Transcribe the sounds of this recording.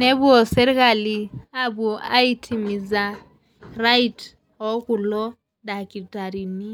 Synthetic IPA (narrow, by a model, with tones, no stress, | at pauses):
nɛ˦βu˦ɔ˨sɛ˦ɾi˦ka˨li˨a˦bu˨a̰˦i˦tʰi˨mi˨za˨ | ra˦it | ɔ˨˦ku˨lɔ˦ | da˨ki˨ta˨ɾi˨ni˦